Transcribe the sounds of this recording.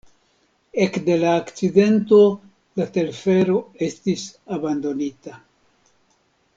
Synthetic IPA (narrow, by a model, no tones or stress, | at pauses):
e̞kde̞laːkt͡side̞nto̞ | late̞lfe̞ɾo̞e̞stisabando̞nita